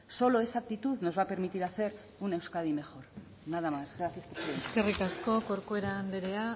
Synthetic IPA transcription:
so̞lo̞e̞saːk̚t̪it̪uðno̞zβape̞ɾmit̪iɾaθe̞ɾ | une̞wskað̞ime̞xo̞ɾ | nað̞amazɣɾaθjaspoeske̞rikasko̞ko̞ɾkoeɾaːnd̪eɾea

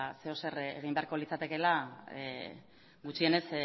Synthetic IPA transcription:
se̞o̞se̞reɣ̞imbe̞aɾko̞lit͡sat̪e̞ke̞la | ɡut͡ʃie̞ne̞s

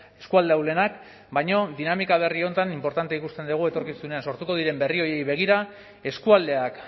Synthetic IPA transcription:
e̞skuald̪eawle̞nak | bajɲo̞ðinamikaβ̞e̞rio̞nt̪animpo̞ɾt̪ant̪eikust̪e̞nd̪eɣ̞ue̞t̪o̞ɾkisune̞anso̞ɾt̪uko̞ðiɾe̞mbe̞rio̞je̞jβe̞ɣ̞iɾa | e̞skuald̪e̞ak

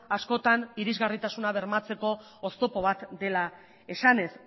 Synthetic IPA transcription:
asko̞t̪aniɾizɣarit̪asunaβ̞eɾmat͡se̞ko̞ː | st̪o̞po̞β̞at̪d̪e̞la | e̞sane̞s

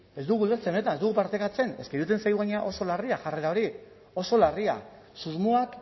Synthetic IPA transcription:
e̞zd̪uɣuilðet͡semet̪anezd̪uɣupaɾt̪ekat͡se̞ne̞skeɾut̪̬e̞nsajðuɣajɲeaʔo̞so̞lariaʝare̞ɾao̞ɾi | o̞so̞laria̰ | suzmuak

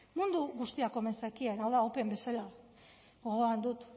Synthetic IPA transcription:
mund̪uɣust̪iako̞me̞nsakienawðaope̞mbe̞sala | ɡoɣoand̪ut̪

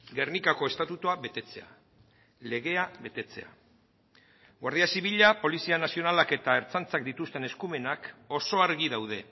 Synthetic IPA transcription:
ɡe̞rnikako̞e̞st̪at̪ut̪uaβe̞t̪e̞t͡se̞a | le̞ɣe̞aβe̞t̪e̞t͡se̞̰a̰ | ɡwaɾðiasiβ̞iʎapo̞lisianasio̞nalake̞t̪ae̞ɾt͡sant͡sak̚d̪it̪ust̪e̞ne̞skume̞nako̞so̞aɾɣiðawð̞e̞

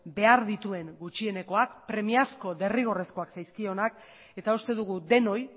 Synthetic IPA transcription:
be̞aɾðit̪ue̞ŋɡut͡ʃie̞ne̞ko̞ak̚pɾe̞miasko̞d̪e̞riɣ̞o̞re̞sko̞aksajskio̞nak | e̞t̪aust̪e̞ðuɣ̞ud̪e̞no̞j

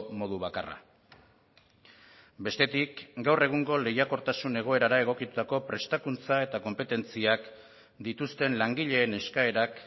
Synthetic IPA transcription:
mo̞ðuβ̞akara̰ | be̞st̪e̞t̪ikɡawre̞ɣ̞uŋɡo̞le̞jako̞ɾt̪asune̞ɣ̞o̞e̞ɾaɾae̞ɣ̞o̞kit̪u̥t̪ako̞pɾe̞st̪akunt͡sae̞t̪ako̞mpe̞t̪e̞nt͡siak | d̪it̪ust̪e̞nlaŋɡiʎe̞ːne̞skae̞ɾak

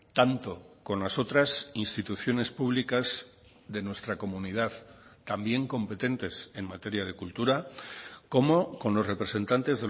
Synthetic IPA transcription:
t̪ant̪o̞ko̞nlaso̞t̪ɾasinst̪it̪uθjo̞ne̞spuβlikaz | ðe̞nwe̞st̪ɾako̞munið̞aðt̪ambje̞ŋko̞mpe̞t̪e̞nt̪e̞se̞ŋmat̪e̞ɾjað̞e̞kult̪uɾako̞mo̞ko̞nlo̞sre̞pɾe̞se̞nt̪ant̪e̞zðe

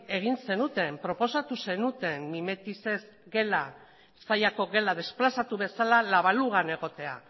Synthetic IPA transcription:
e̞ɣ̞inse̞nut̪e̞mpɾo̞po̞sat̪use̞nut̪e̞mːime̞t̪ise̞z | ɡe̞la | sajako̞ɣe̞laðe̞splasat̪uβe̞salalaβ̞aluɣ̞ane̞ɣ̞o̞t̪e̞a̰

